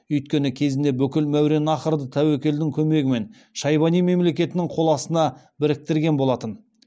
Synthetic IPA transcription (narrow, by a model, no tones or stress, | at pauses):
ʏjt̪̚kʲe̞nɪkʲʰe̞zɪnd̪e̞bʏkʲɪlmæwɾe̞nɑqəɾd̪ət̪ʰæwekʲe̞ld̪ɪŋkʲʰɵme̞ɡʲɪme̞n | ʃɑjbɑnijme̞mle̞kʲe̞t̪ɪnɪŋqʰo̞lˠɑsənɑ | bɪɾɪk̚t̪ɪɾɡʲe̞nbo̞lˠɑt̪ən